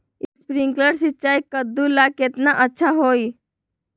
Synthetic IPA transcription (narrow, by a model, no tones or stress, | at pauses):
ɪspɾɪ̃ŋkləɽsɪt͡ʃaːikəd̪ːulakɪt̪naʔɐtːʃʰaɦoːi